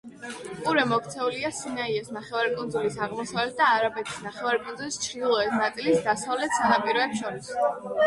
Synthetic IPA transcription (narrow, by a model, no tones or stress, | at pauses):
uɾɛmɔk̚ʰt̪sʰɛuliasinaiɛsnaχɛvaɾikʼund̪zulisaʁmɔsavlɛt̪̚d̪aːɾabɛt̪ʰi̥snaχɛvaɾikʼunzulist͡ʃʰɾd̪ilˠɔɛsnat̪sʼilisd̪asavlɛt̪ʰsanapʼiɾɔɛpʃɔɾis